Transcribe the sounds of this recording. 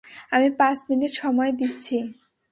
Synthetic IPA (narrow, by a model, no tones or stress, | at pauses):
amipat͡ɕminiʈʃɔmɔed̪itːɕʰi